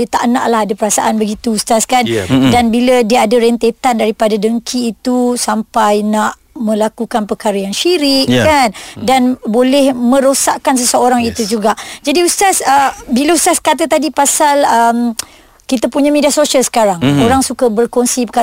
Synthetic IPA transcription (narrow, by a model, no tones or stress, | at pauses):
ət̪a̰ʔnãʔlaɦadapəɾasaʔanbəɡit̪uːst̪askandanbilədiəadaɾɛnt̪et̪andaɾipadadəŋkʰiːt̪usampajnãʔ | mə̃lakukanpəkaɾajaŋʃiɾɪʔkandanbolɛhmə̃ɾosaʔkans̬əsəoɾaŋit̪ud͡ʒuɡaʔd͡ʒadiust̪asəbiləust̪askat̪̬at̪adipasaləm | kit̪apuɲamediasoʃəlsə̥kaɾaŋoɾaŋsukabərkonsipəka